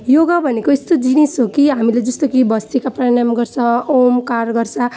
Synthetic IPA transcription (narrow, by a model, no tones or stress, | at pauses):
joɡabʱʌnekoist̪od͡zinesokiɦamiled͡zʌst̪okibʌst̪ikaprʌɽ̃amɡʌɾt͡sʰʌ̃omkaɾɡʌrt͡sʰʌ̃